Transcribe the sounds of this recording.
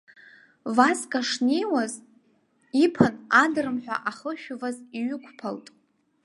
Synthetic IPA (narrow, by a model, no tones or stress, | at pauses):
vaskʼaʂnejwaz | ipʰanadɨrɨmħᶣʷa̰ʔaχəʃᶣʊvaziɥʏkʷʰpʰa̰ltʼ